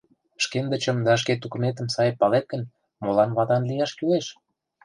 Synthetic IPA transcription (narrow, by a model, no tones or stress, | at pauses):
ʃkend̪ə̆t͡ɕə̆md̪ɑʃ̬ket̪ukumet̪̬ə̆msɑjpɑlet̪̚ɡə̆n | molɑnβɑt̪ɑnlijɑʃkyleʃ